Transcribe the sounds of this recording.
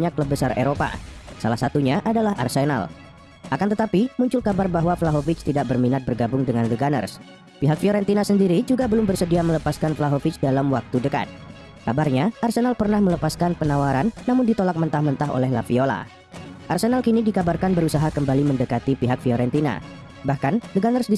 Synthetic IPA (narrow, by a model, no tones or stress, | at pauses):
ɲakləb̚əsaɾḛɾopa̰sa̰lahsat̪uɲaʔadalaɦa̰rsena̰l | ʔakant̪ət̪apimuɲt͡ʃʊlkabarbaɦwaflaɦofɪt͡ʃt̪idaʔ̚bərminat̪̚bərɡabʊŋdəŋanləɡanə̰rs | piɦak̚fioɾɛnt̪inasəndiɾid͡ʒuɡabəlʊmbərsədiamələpaskanflaɦofɪt͡ʃdalamwak̚t̪udəka̰t̪̚ | kabarɲaʔarsenalpərnahmələpaskanpənawaɾanːamʊndit̪olak̚mənt̪ahmənt̪aɦo̰lɛhla̰fiola̰ | ʔarsenalkinidikabarkanbəɾusaɦakəmbaliməndəkat̪ipiɦak̚fioɾɛnt̪ina̰ | bahkandəɡanərsdi